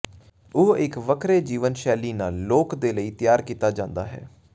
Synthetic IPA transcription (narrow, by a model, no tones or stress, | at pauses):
oɪkʋəkʰɾeːd͡ʒiːʋənʃɛːliːnaːlːoːkd̪eːləiːt̪ɪjaːɾkiːt̪aːd͡ʒãːnd̪a̰ːɦɛ̰ː